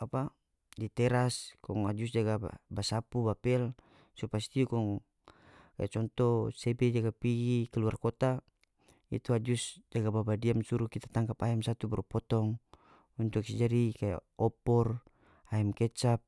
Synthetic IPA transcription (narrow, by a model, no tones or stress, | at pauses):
apa | dit̪ɛɾaskɔŋad͡ʒusd͡ʒaɡa̰basapubapɛl | supast̪iukɔŋ | ka̰jat͡ʃɔnt̪ɔsɛbɛd͡ʒaɡapiɡikaluarkɔt̪a | ḭt̪uad͡ʒusd͡ʒaɡababadiamsuɾukit̪at̪aŋkapaɛmsat̪ubɛɾɔpɔt̪ɔŋ | unt̪uksɛd͡ʒaɾikaja̰ɔpɔr | aɛmkɛt͡ʃap̚